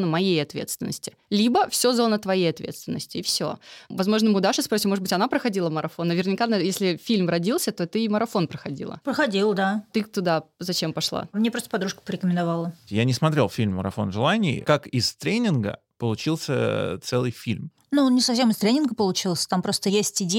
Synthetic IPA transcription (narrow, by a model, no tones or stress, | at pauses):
nəmɐjejɐt̪vʲet̪st̪vʲɪnːə̰sʲtʲɪ̥ | lʲibəfsʲo̞zo̞nət̪vɐjejɐt̪vʲḛt̪st̪vʲɪnːə̰sʲtʲɪːfsʲo̞̰vɐzmo̞ʐnəmɨʊd̪aʂɨspɾosʲimo̞ʐɨd̪bɨtʲɐnapɾəxɐdʲilˠəməɾʔɐfo̞nːəvʲɪrnʲɪkanəjesʲlʲɪfʲilʲmrɐdʲilˠsʲət̪ot̪ɨməɾɐfo̞npɾəxɐdʲḭlˠə̰pɾəxɐdʲilˠd̪at̪ɨt̪ʊd̪azɐt͡ɕempɐʂlˠa̰mnʲepɾost̪əpɐd̪ɾuʂkə̥pəɾʲɪkəmʲɪnd̪avalˠəjanʲɪsmɐt̪ɾʲelˠfʲilʲmːəɾɐ̰fo̞̰nʐɨlˠanʲɪ̰ːkakɪst̪ɾʲenʲɪnɡə̰ | pəlˠʊt͡ɕilˠsʲə̰t̪sɛlˠɨjfʲḭlʲm | nunʲɪsɐfsʲemɨst̪ɾʲenʲɪnɡəpəlˠʊt͡ɕilˠsʲə̥t̪ampɾo̞st̪əjesʲtʲɪdʲe